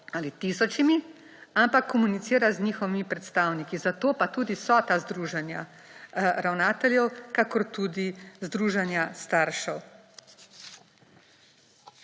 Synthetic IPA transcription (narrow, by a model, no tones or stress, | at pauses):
alit̪isɔt͡ʃimi | ampakːɔmunit̪siːɾaznɲiːxɔʋimipɾɛt̪st̪aːwnikizat̪oːpat̪uːd̪isɔːt̪azd̪ɾuːʒɛnja̰ | ɾawnaːt̪ɛljɛwkakɔɾt̪uːd̪izd̪ɾuːʒanjast̪aːɾʃɛw